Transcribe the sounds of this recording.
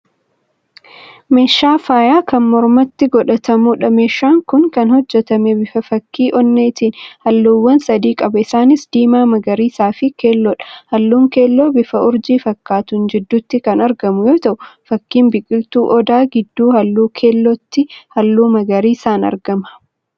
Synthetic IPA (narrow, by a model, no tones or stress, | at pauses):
me̞ːʃːaːfaːjaːkɐnmɔɾmɐt̪ːɪɡɔᶑɐt̪ɐmʊᶑɐme̞ːʃːaːŋkʊŋkɐnhɔd͡ʒːɛt̪ɐmɛbɪfɐfɐkːiːʔɔnːe̞ːt̪iːnhɐlːuːwːɐnsɐd̪iːkʼɐbɐɪsaːnɪsd̪̥iːmaːmɐɡɐɾiːsaːfɪke̞ːlːɔᶑɐ̥hɐlːuːŋke̞ːlːoːbɪfɐʔʊɾd͡ʒiːfɐkːaːt̪ʊnd͡ʒɪd̪ːuːt̪ːɪkɐnɐɾɡɐmʊjoːt̪ɐʔʊfɐkːiːmbɪkʼɪlt̪uːʔɔd̪aːɡɪd̪ːuːhɐlːuːkʰe̞ːlːɔt̪ːɪhɐlːuːmɐɡɐɾiːsaːnɐ̰ɾɡɐmɐ̥